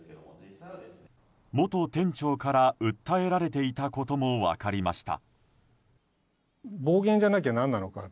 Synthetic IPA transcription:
mo̞t̪o̞t̪ẽ̞ɲ̟t͡ɕo̞ːkaɾaɯ̟t̪ːae̞ɾaɾe̞t̪̬e̞it̪ako̞t̪o̞mo̞βa̰kaɾʲima̰ɕi̥t̪a̰ | bo̞ːɡẽ̞ɲ̟d͡ʑanak̬ʲanãnːano̞ka

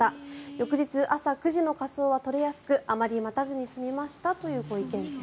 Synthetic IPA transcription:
ajo̞kɯ̟ʑit͡sɨʔasakɯ̟ʑino̞kaso̞ːβat̪o̞ɾe̞jasɨ̥kɯ̟ʔamaɾʲimat̪azɨɲ̟isɨmʲimaɕi̥t̪at̪o̞jɯ̟ːɡo̞ikẽ̞ŋ

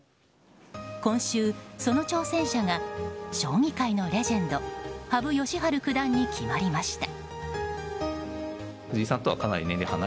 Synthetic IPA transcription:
kõ̞ɰ̃ɕɨːso̞no̞t͡ɕo̞ːsẽ̞ɰ̃ɕaŋaɕo̞ːŋʲikainoɾe̞ʑẽ̞nd̪ohabɯ̟jo̞ɕiɦaɾɯ̟kɯ̟d̪ãɲ̟ːikʲʰimaɾʲimaɕi̥t̪ḁ | hɯ̟ʑiːsãnt̪o̞βa̰kanaɾḭnend̪ehana

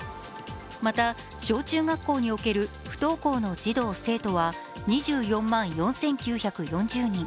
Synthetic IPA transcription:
mat̪a | ɕo̞ːt͡ɕɨːɡakːo̞ːɲ̟io̞ke̞ɾɯ̟ | ɸɯ̟̥t̪o̞ːko̞ːno̞d͡ʑid̪o̞ːse̞ːt̪o̞βa | ɲ̟iʑɨːjõ̞mːãɰ̃jõ̞ɰ̃sẽ̞ŋkʲɨːçakɯ̟jõ̞ɲd͡ʑɨːɲ̟ĩ

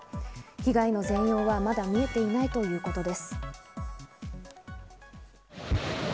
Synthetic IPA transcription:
çiɡaino̞zẽ̞ɰ̃jo̞ːβamad̪amʲie̞t̪e̞inait̪o̞jɯ̟ːko̞t̪o̞d̪e̞sɨ̥

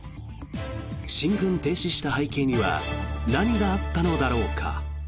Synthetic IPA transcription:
ɕĩŋɡɯ̟̃nt̪e̞ːɕiɕi̥t̪ahaike̞ːɲ̟iβa̰naɲ̟iɡaːt̪ːano̞d̪aɾo̞ːkʰa̰

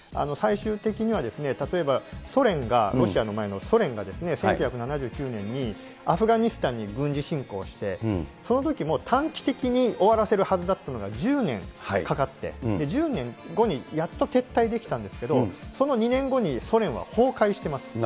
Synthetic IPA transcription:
a̰no̞saiɕɨːt̪e̞kʲiɲ̟iβad̪e̞sɨne̞t̪at̪o̞e̞baso̞ɾẽ̞ŋɡaɾo̞ɕiano̞mae̞no̞so̞ɾẽ̞ŋɡad̪e̞sɨne̞seŋkjɯ̟çʲjakɯ̟nanaʑɨ̟ːkʲɨːnẽ̞ɲ̟ːi | aɸɯ̟ɡaɲ̟isɨ̥t̪ãɲ̟ːiɡɯ̟̃ɲ̟d͡ʑiɕĩŋko̞ːɕi̥t̪e̞so̞no̞t̪̬o̞kʲimo̞t̪ʰãŋkʲi̥t̪ekʲiɲ̟io̞βaɾase̞ɾɯ̟hazɨd̪at̪ːano̞ɡad͡ʑɨːnẽ̞ŋhakakat̪ːe̞̰d̪e̞d͡ʑɨːnẽ̞ŋɡo̞ɲ̟ijat̪ːo̞t̪e̞t̪ːaid̪e̞kʲi̥t̪ãnd̪e̞sɨ̥ke̞d̪o̞so̞no̞ɲ̟inẽ̞ŋɡo̞ɲ̟iso̞ɾẽ̞ɰ̃βa̰ho̞ːkaiɕi̥t̪e̞masɨ̥

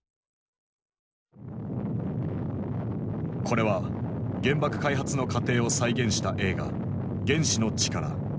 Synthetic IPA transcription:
kʰo̞ɾe̞βaɡẽ̞mbakɯ̟̥kaiɦat͡sɨno̞kat̪e̞ːo̞saiɡẽ̞ɰ̃ɕi̥t̪aʔe̞ːɡa̰ | ɡẽ̞ɰ̃ɕino̞t͡ɕi̥kaɾa̰

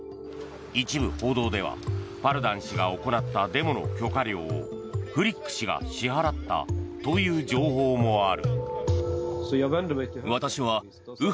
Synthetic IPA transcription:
it͡ɕibɯ̟ho̞ːd̪o̞ːd̪e̞β̞a̰baɾɯ̟d̪ãɰ̃ɕiɡao̞ko̞nat̪ːad̪e̞mo̞no̞̰kʲo̞kaɾʲo̞̰ːo̰ | ɸɯ̟ɾʲikːɯ̥ɕiɡa̰ɕiɦaɾat̪ːa̰t̪o̞jɯ̟ːd͡ʑo̞ːɦoːmo̞aɾɯ̟ | βat̪aɕiβa | ɯ̟

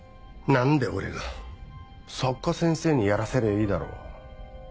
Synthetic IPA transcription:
nãnd̪e̞o̰ɾe̞ɡa | sokːosẽ̞ɰ̃se̞ːɲ̟ijaɾase̞ɾeiːd̪aɾo̰ː

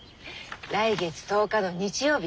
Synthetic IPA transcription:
ɾaiɡe̞t͡sɨ̥t̪o̞ːkad̪o̞ɲ̟it͡ɕijo̞ːbʲi

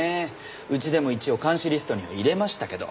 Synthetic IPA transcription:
e | ɯ̟t͡ɕid̪e̞mo̞it͡ɕio̞kãɰ̃ɕiɾʲisɨ̥t̪o̞ɲ̟iβa̰iɾe̞maɕi̥t̪ake̞d̪o̞̰

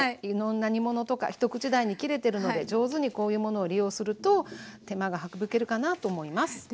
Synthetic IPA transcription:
iɾõ̞nːaɲ̟imo̞no̞t̪o̞ka̰çi̥t̪o̞kɯ̟t͡ɕid̪aiɲ̟ikʲiɾe̞t̪e̞ɾɯ̟no̞d̪e̞d͡ʑo̞ːzɨɲ̟iko̞ːjɯ̟ːmo̞no̞ːɾʲijo̞ːsɨɾɯ̟t̪o̞t̪e̞maɡahakɯ̟bɯ̟ke̞ɾɯ̟kanat̪o̞ːmo̞imasɨ̥

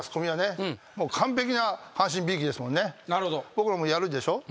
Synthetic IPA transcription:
t͡sɨ̥ko̞mʲiβane̞ | mo̞ːkʰãmp̬e̞kʲinahãɕ̬ĩmbʲiːkʲid̪e̞sɨmõnːe̞naɾɯhod̪obokɯɾamoːjaɾɯ̟d̪eɕo̞ː

